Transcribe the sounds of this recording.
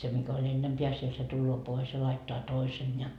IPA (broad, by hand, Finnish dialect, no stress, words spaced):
se mikæ olʲ enːempeæ siel se tulːoː pois jɑ lɑitːoɑ toisen jɑ